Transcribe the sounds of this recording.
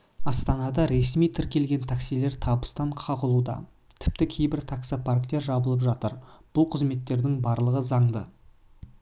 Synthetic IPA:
ɑst̪ɑnɑd̪ɑɾe̞smijt̪ʰɪɾkʲe̞lɡʲe̞nt̪ʰaksijle̞ɾt̪ʰɑbəst̪ɑɴqʰɑʁəlˠud̪ɑ̰ | t̪ʰɪ̥p̚t̪ɪkʲʰejbɪɾt̪ʰaksapʰaɾk̚t̪e̞ɾʒɑbəlˠəp̬ʒɑt̪əɾb̥ʊlˠqʰəzme̞t̪ːe̞ɾd̪ɪŋbɑɾlˠəʁəzɑɴd̪ə

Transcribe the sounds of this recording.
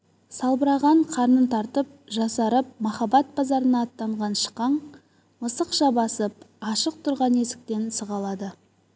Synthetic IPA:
sɑlˠbəɾɑʁɑɴqʰɑɾnənt̪ʰɑɾt̪əp̚ʒɑsɑɾəp̚mɑχɑbɑt̪̚bɑzɑɾənɑːt̪ːɑɴʁɑnʃə̥qːɑɴ | məsəqʃɑbɑsəp̚ɑʃəq̚t̪ʰʊɾʁɑne̞sɪ̥k̚t̪e̞nsəʁɑlˠɑd̪ə

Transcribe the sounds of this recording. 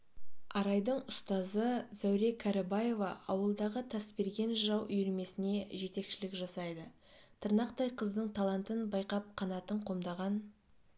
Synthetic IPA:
ɑɾɑjd̪əɴʊst̪ɑzəz̥æwɾe̞kʰaɾɑbɑje̞vɑʔɑwəlˠd̪ɑʁət̪ʰæspe̞ɾɡʲe̞nʒəʒɑwʔʏjɾme̞sɪne̞ʒe̞t̪e̞kʃɪlɪkʒɑsɑjd̪ə | t̪ʰəɾnɑqt̪ɑjqʰəzd̪əɴt̪ʰɑlˠɑnt̪ənbɑjqɑp̚qʰɑnɑt̪əɴqʰo̞md̪ɑʁɑn

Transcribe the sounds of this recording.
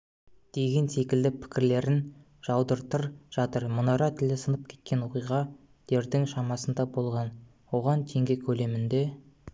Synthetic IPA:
d̪̥e̞ɡʲe̞nse̞kʲɪld̪ɪpʰɪ̥kʲɪɾle̞ɾɪn | ʒ̥ɑwd̪əɾt̪əɾʒ̥ɑt̪əɾmʊnɑɾɑt̪ʰɪld̪ɪsənəp̚kʲʰe̞̥t̪̚kʲe̞nwo̞qijʁɑ | d̪̥e̞ɾd̪ɪŋʃɑmɑsənd̪ɑbo̞lˠʁɑn | wo̞ʁɑnt̪ʰe̞ŋɡʲe̞kʲʰɵle̞mɪnd̪e̞

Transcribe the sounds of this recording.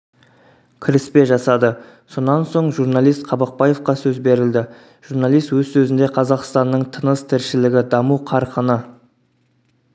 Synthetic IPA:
kʲʰɪɾɪspe̞ʒɑsɑd̪ə | so̞nːɑnso̞ɴʒuɾnɑlˠijst̪qʰɑbɑq̚pɑje̞fqɑsɵzbe̞ɾɪld̪ɪ | ʒ̥uɾnɑlˠijst̪wɵzsɵzɪnd̪e̞qʰɑzɑqst̪ɑnːəɴt̪ʰənəst̪ʰɪɾʃɪlɪɡʲɪd̪ɑmuqʰɑɾqənə

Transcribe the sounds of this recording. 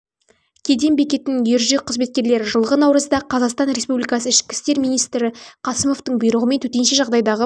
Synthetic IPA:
kʲʰe̞d̪e̞mbe̞kʲe̞t̪ɪnɪŋjeɾʒeqʰːəzme̞t̪̚kʲe̞ɾle̞ɾɪʒəlˠʁənɑwɾəzd̪ɑqʰɑzɑqst̪ɑnɾe̞spublijkɑsəɪʃkʲɪ̥st̪e̞ɾmijnijst̪ɾɪqʰɑsəmo̞ft̪əɴbʊjɾəʁəme̞nt̪ʰɵt̪e̞nʃe̞ʒɑʁd̪ɑjd̪ɑʁə

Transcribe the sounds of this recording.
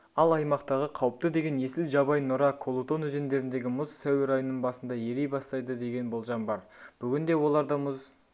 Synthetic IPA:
ɑlˠɑjmɑqt̪ɑʁəqʰɑwəp̚t̪əd̪e̞ɡʲe̞nje̞sɪlʒɑbɑjnʊɾɑkʰo̞lˠot̪o̞nɵze̞nd̪e̞ɾɪnd̪e̞ɡʲɪmʊzsæwɪɾɑjənːəɴbɑsənd̪ɑje̞ɾe̞jbɑst̪ɑjd̪əd̪e̞ɡʲe̞nbo̞lˠʒɑmbɑɾ | b̥ʏɡʲɪnd̪e̞wo̞lˠɑɾd̪ɑmʊz

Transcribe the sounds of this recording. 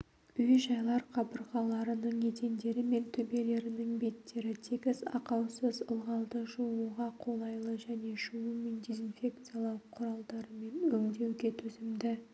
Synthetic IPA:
ʏjʒɑjlˠɑɾqʰɑbəɾʁɑlˠɑɾənəɴme̞t̪e̞nd̪e̞ɾɪme̞nt̪ʰʏbe̞le̞ɾɪnɪŋbe̞t̪ːe̞ɾɪt̪ʰeɡʲɪzɑ̰qɑwsəzəlˠʁɑlˠd̪əʒuuʁɑqʰo̞lˠɑjlˠəʒæne̞ʒuwəmind̪ezinfʲe̞kt̪sɨjalˠɑwqʰʊɾɑlˠd̪ɑɾəme̞nʏŋd̪e̞wɡʲe̞t̪ʰɵzɪmd̪ɪ

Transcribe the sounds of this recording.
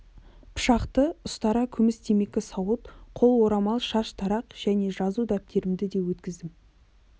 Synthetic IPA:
pʰʊ̥ʃɑqt̪əʊst̪ɑɾɑkʲʰʏmɪst̪ʰeme̞kʲɪsɑwət̪qʰo̞lˠwo̞ɾɑmɑlˠʃɑʃt̪ʰɑɾɑqʒ̥æne̞ʒɑzud̪æp̚t̪ʰe̞ɾɪmd̪ɪd̪e̞wɵt̪kʲɪzd̪ɪm

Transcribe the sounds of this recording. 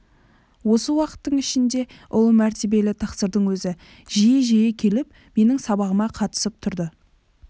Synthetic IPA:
wo̞səwɑqə̥t̪ːəɴɪʃɪnd̪e̞ʔʊlˠəmæɾt̪ʰe̞be̞lɪt̪ʰɑqsəɾd̪əɴwɵzɪ | ʒijɪʒejekʲʰe̞lɪp̚ | me̞nɪŋsɑbɑʁəmɑqʰɑt̪ə̥səp̚t̪ʰʊɾd̪ə

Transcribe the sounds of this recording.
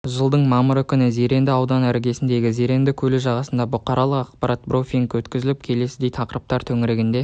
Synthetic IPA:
ʒəlˠd̪əɴmɑməɾʏkʲɪnɪze̞ɾe̞nd̪ɪɑwd̪ɑnæɾɡʲe̞sɪnd̪e̞ɡʲɪze̞ɾe̞nd̪ɪkʲʰɵlɪʒɑʁɑsənd̪ɑbʊqɑɾɑlˠəqɑqpɑɾʔɑt̪̚bɾofʲiŋkwɵt̪kʲɪzɪlɪp̚kʲʰe̞le̞sɪd̪e̞jt̪ʰɑqəɾəp̚t̪ɑɾt̪ʰɵŋɪɾeɡʲɪnd̪e̞

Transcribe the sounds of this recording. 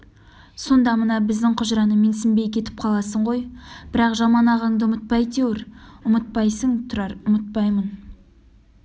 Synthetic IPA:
so̞nd̪ɑmənɑbɪzd̪ɪŋqʰʊʒɾɑnəmensɪmbe̞jkʲʰe̞t̪ɪ̥p̚qʰɑlˠɑsəɴʁo̞jb̥ɪɾɑqʒɑmɑnɑʁɑɴd̪əʊmət̪̚pɑjt̪ewɪɾʊmət̪̚pɑjsəŋt̪ʰʊɾɑɾʊmət̪̚pɑjmən

